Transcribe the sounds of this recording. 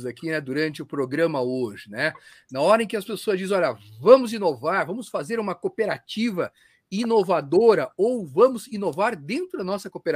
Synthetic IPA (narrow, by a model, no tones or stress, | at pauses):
zakinɛd̪uɾɐ̃nt͡ʃɪʊpɾoɡɾɐ̃mɐoʒɪnɛnɐɔɾɐẽkɪɐspesoɐzd͡ʒizẽɔʎɐvɐ̃mʊzĩnovaɾvɐ̃mʊsfazeɾũmɐkopeɾat͡ʃivɐ | inovad̪oɾɐowvɐ̃mʊzĩnovaɾd̪ẽnt̪ɾʊd̪ɐnɔsɐkopeɾ